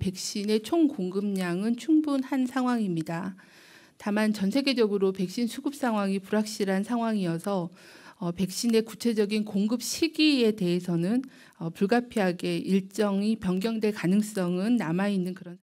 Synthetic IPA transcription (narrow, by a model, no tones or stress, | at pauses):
pe̞k̚ɕ͈ine̞t͡ɕʰoŋkoŋɡɯmɲaŋɯnt͡ɕʰuŋbunhansʰaŋɦwaŋimɲida | tamant͡ɕʌnsʰe̞ɡe̞d͡ʑʌɡɯɾope̞k̚ɕ͈insʰuɡɯp̚s͈aŋɦwaŋipuɾak̚ɕ͈iɾansʰaŋɦwaŋiʌsʰʌ | ʌpe̞k̚ɕ͈ine̞kut͡ɕʰe̞d͡ʑʌɡinkoŋɡɯp̚ɕʰiɡie̞te̞ɦesʰʌnɯn | ʌpuɭɡapʰiɦaɡe̞iɭt͡ɕ͈ʌŋipjʌŋɡjʌŋdwe̞ɭkanɯŋs͈ʌŋɯnːamainːɯnkɯɾʌn